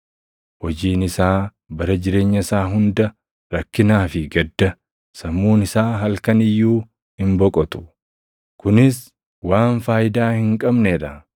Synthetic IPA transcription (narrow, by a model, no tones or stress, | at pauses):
hɔd͡ʒiːnɪsaː | bɐɾɐd͡ʒɪɾe̞ːɲːɐɪsaːɦʊnd̪ɐ | ɾɐkːɪnaːfɪɡɐd̪ːɐ | sɐmːuːnɪsaːɦɐlkɐnɪjːuː | hɪmbɔkʼɔt̪ʊ̥ | kʊnɪs | waːnfaːjɪd̪aːhɪŋkʼɐbneːɾɐ